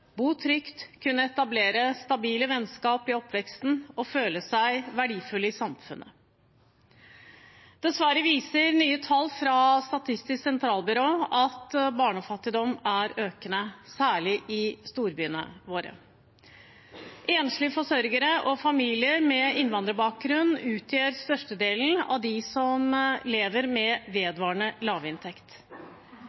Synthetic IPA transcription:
buːt̪ʰɾʏkt̪kʰʉnːəɛt̪ɑbleːɾəst̪ɑbiːləʋɛnskɑːpɪɔpʰːʋɛkst̪n̩ɔføːləsæɪʋæɖiːfʉlːəɪsɑmfʉ̰nʔə | d̪̥ɛsʋæɾəʋiːsəɾnyːət̪ʰɑlːfɾɑst̪ɑt̪ʰɪst̪ɪsksɛnt̪ʰɾɑːlbʏɾoːɑt̪bɑːɳɔfɑt̪ːɪd̪ɔmæɾøːkənəsæːɭɪʔɪst̪uːɾbyːnə̰ʋoːɾə̰ | ʔeːnʂlɪfɔʂœɾɡəɾəʔɔfɑmiːlɪəɾmɛɪnʋɑnd̪ɾəbɑːk̚ɡɾʉnːʉːt̪ʰjøːɾst̪œʂʈəd̪eːln̩ɑ̰ʋd̪ɪsɔmleːʋəɾmɛʋeːd̪ʋɑːɳəlɑːʋɪnt̪ʰɛkt̪

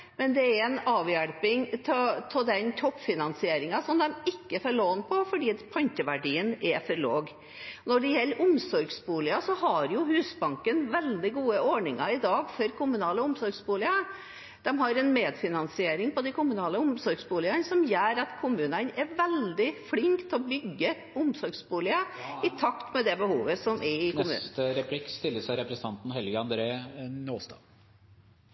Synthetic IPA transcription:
mɛnd̪ɛæɾɛnɑːʋjæɽpɪŋt̪ʰɛt̪ʰɔd̪ɛnt̪ʰɔpːfɪnɑnsɪeːɾɪŋɑsɔmd̪ɛmɪkːəfɔɾɭoːnpʰɔfɔɖiːpʰɑnçəʋæɖiːənɛfɔɾɭoːɡ | nɔɖɛjɛlːəɾʔʊmsɔɾɡsbuːlɪɑsɔhɑɾjʊhʉːsbɑŋkənʋɛld̪ɪɡuːəʔɔɳɪŋɑɪd̪ɑːɡfɔɾkʊmʉnɑːləʊmsɔɾɡsbuːlɪɑ | d̪̥ɛmɦɑɾɛnmeːd̪fɪnɑnsɪeːɾɪŋpɔd̪ɪkʰʊmʉnɑːləʊmsɔɾɡsbuːlɪɑnsɔmjæːɾɑt̪kʰʊmʉːnənɛɾʋɛld̪ɪflɪŋkt̪ʰɛɔbʏɡːə | ʊmsɔɾɡsbuːlɪəɪt̪ʰɑkt̪mɛd̪ɛbəhuːʋəsɔmʔɛɪkmʉ̰t̪əɾɛpʰlɪkːst̪ɪlːəsæɪɾɛpɾsən̩ʰɑnt̪n̩ɦɛlɡəɑnd̪ɾeːnoːst̪ɑ̰ː

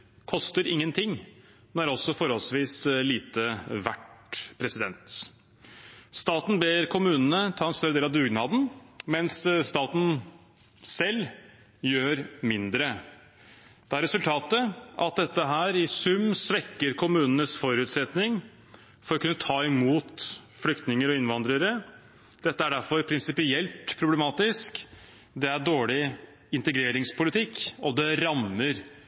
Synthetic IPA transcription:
kʰɔst̪əɾɪŋːənt̪ʰɪŋː | mɛnæɾɔsːɔfɔɾhɔlsʋiːsliːt̪əʋæʈpʰɾɛsɪd̪ɛnt̪ | st̪ɑːt̪n̩beːɾkʰʊmʉːnənət̪ʰɑːɛnst̪œɾəd̪eːlɑʋd̪ʉːɡnɑːd̪nmɛnsst̪ɑːt̪n̩ | sɛlː | jøːɾmɪnd̪ɾə | d̪̥ɛæɾɛsʉlt̪ʰɑːt̪əʔɑt̪̚d̪ɛt̪ːəɦæːɾɪsʉmsʋɛkːəɾkʰʊmʉːnənəsfɔɾʉːt̪sɛt̪nɪŋ | fɔɾɔkʉnːət̪ʰɑːɪmuːt̪ | flʏkt̪nɪŋəɾɔɪnʋɑnd̪ɾəɾə | d̪̥ɛt̪ːəæɖæɾfɔɾpʰɾɪnsɪpɪɛlt̪pʰɾʊblɛmɑːt̪ɪsk | d̪ɛæɖoːɭɪ | ɪnt̪əɡɾeːɾɪŋspʰʊlɪt̪ʰɪkːɔd̪ɛɾɑnːəɾ

